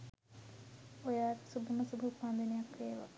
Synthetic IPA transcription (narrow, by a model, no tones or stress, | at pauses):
ojaːksubʱuməsubʱupːand̪enejakʋeːʋa̰